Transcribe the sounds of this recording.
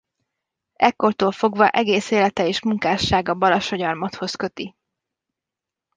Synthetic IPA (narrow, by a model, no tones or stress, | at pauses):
ɛkːo̞rt̪oːlfo̞ɡvɒʔɛɡeːseːlɛt̪ɛeːʃmuŋkaːʃːaːɡɒbɒlɒʃo̞ɟɒrmɒt̪ho̞skø̞t̪i